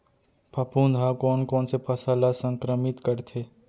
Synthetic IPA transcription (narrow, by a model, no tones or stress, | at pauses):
pʰɐpund̪ʱakɔːnkɔːnsepʰɐsaːlasə̃ŋkɾəmɪt̪kəɾt̪ʰeː